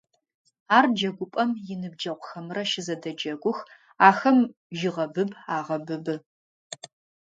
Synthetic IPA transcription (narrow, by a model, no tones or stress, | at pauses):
aːrd͡ʒɐɡʷʊpʼɐmjɪnɨb̚d͡ʒɐqʷʊxɐmɨrɐʃɪzɐdɐd͡ʒɐɡʷʊx | aːxɐm | ʒɪʁɐbɨbaːʁɐbɨbɨ